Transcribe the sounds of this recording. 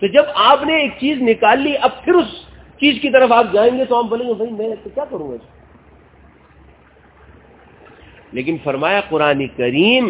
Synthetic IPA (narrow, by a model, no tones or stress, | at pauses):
t̪od͡ʒɐbaːpneeːk̚t͡ʃiːznɪkaːlːiʔɐb̚pʰɪɾʊs | t͡ʃiːzkit̪̬ɐɾəfaːp̚d͡ʒaːẽːŋɡet̪oaːp̚bɐlẽːŋɡebʱɐimɛ̃t̪okjaːkɐɾũːɡad͡ʒ | leːk̬ɪnfɐɾmaːjaqʊɾaːnekɐɾiːm